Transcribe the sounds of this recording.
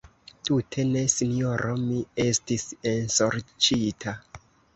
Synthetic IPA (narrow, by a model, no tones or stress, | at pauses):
tutʰe̞ne̞sinjoɾʔo̞mie̞stisensoɾt͡ʃitʰa